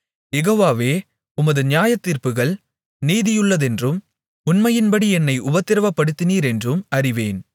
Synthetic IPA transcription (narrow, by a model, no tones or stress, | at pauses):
jɛɣoːʋaːʋeː | ʊmɐðɯnɪjaːjɐt̪ːiːɾpɯɣɐɭ | niːðɪjɯɭːɐðɛndrɯm | ʊnmɐjɪnbɐɽiɛnːɐɪʔʊbɐt̪ːɪɾɐʋɐpːɐɽɯt̪ːɪniːɾɛndrɯmɐɾɪʋeːn